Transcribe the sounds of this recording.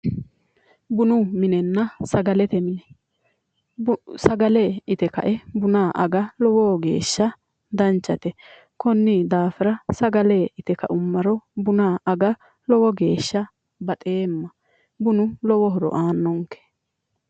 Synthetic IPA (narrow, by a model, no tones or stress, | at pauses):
bʊnʊmɪnɛnːɐsɐɡɐlɛt̪ɛmɪnɛ | sɐɡɐleːɪt̪ɛkɐ̰ʔɛbʊnaːʔɐɡɐlɔwɔɡe̞̰ːʃːɐ | d̪ɐnt͡ʃːɐt̪ɛ | kɔnːɪd̪aːfɪɾɐsɐɡɐleːʔɪt̪ɛkɐ̰ʔʊmːɐɾɔbʊnaːʔɐɡɐ | lɔwɔɡe̞ːʃːɐ | bɐt̪ʼeːmːɐ | bʊnʊlɔwɔɦɔɾɔ̰ʔaːnːɔŋkɛ̥